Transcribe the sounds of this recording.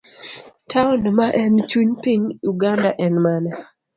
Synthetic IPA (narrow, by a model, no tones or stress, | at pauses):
tʰaunmaʔɛnt͡ʃuɲpiɲuɡandaʔɛnmanɛ